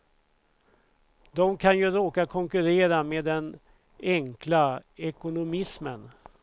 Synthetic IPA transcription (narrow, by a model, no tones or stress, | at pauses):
d̪ɔmkʰanjɵɾoːkakʰɔŋkɵɾeːɾameːd̪ɛn | ɛŋklaɛkʊnʊmɪsmən